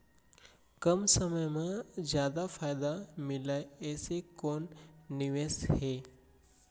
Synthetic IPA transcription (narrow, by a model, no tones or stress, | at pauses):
kɐmsəməjmẽzjaːd̪afʰaːjd̪amɪlaeɛːsekoːnːɪʋeːsheː